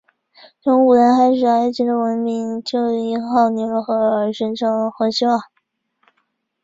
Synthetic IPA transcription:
ʈ͡ʂɤ˧˥ŋu˨˩ɻə˧˥nxa˧˥ɪʂɻ̩˨˩a˧˥ɪt͡ɕi˧˥d̪ə˧˩wə˧˥nmi˧˥ŋt͡ɕjo˥˩ʊ˧˩i˧˥xɑ˥˩ʊni˧˥ɻə˧˥xɤ˧˥ʂə˧˥nʈ͡ʂʰɤ˧˥ŋxwɤ˧˥ɕi˥ɐ˨˩

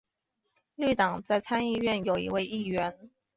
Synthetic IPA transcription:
ly˥˩t̪ɑ˨˩ŋt͡sa˥˧ɪt͡sʰa˥ni˥˧ɥɛ˥˩njo˨˩ʊḭ˧˥we˥˧ɪi˥˩ɥɛ˧˥n

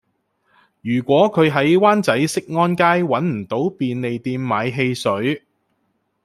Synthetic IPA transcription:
jyː˨˩kʷɔː˨˥kʰɵ˨˧ɥɦɐ˨˥jwaː˥nt͡sɐ˨˥jsɪ˥k̚ŋɔː˥nkaː˥jwɐ˨˥nm̩˨˩t̪o˨˥wpiː˨nle˨jt̪iː˧mːaː˨˧jɦe˧jsɵ˨˥ɥ

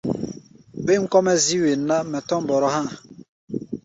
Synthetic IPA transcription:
be˦ŋ̩˦kɔ˦mɛ˦zi˦we˨nː˦a˦mɛ˨tɔ˦m˦bɔ˨ɾɔ˦hã˦˨

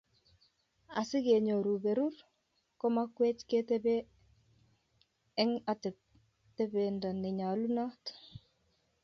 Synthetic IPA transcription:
a̰˨sɪ˦ke˨ɲo˨ɾu˨be˨ɾu˦r | ko˦ma˦kwe˦t͡ʃke˦te˦be˦ | ɛ˦ŋa˨te˨p̚ | te˦be˨nda˨nɪ˨ɲa˨lu˦na˦t

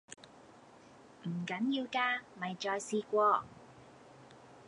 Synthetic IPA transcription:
m̩˨˩kɐ˨˥njiː˧wkaː˧mɐ˨˩jt͡ʃɔː˧jsiː˧kʷɔː˧

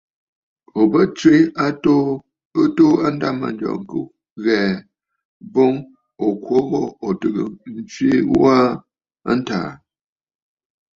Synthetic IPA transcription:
o˨bə˦t͡ʃe˦a˦to˦ | ə˦to˦a˦n˦da˦˨ma̰˨nd͡ʒɔ̰˨ŋ˨ku˦ | ɣɛː˨ | bo˦ŋ | o˨kwo˦ɣɔ˦o˨tɨ˨ɡə̰˨n̩˦t͡sɥi˦wa˦ | a̰˦n̩˦ta̰ː˨

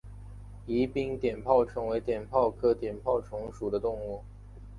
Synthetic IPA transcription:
i˧˥pi˥ŋt̪jɛ˨˩npʰɑ˥˩ʊʈ͡ʂʰɤ˧˥ŋwe˧˥ɪt̪jɛ˨˩npʰɑ˥˩ʊkʰɤ˥t̪jɛ˨˩npʰɑ˥˩ʊʈ͡ʂʰʊ˧˥ŋʂu˨˩d̪ə˦t̪ʊ˥˧ŋu˥˩

